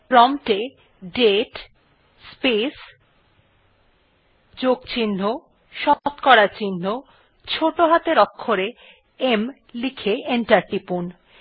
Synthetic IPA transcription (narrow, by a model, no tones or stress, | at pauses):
pɾɔmʈe | ɖeʈ | spes | d͡ʑoɡt͡ɕinːo | ʃɔt̪kɔɾat͡ɕinːo | t͡ɕʰoʈoɦat̪eɾɔkʰːoɾe | em | likʰeeɳʈaɾʈipun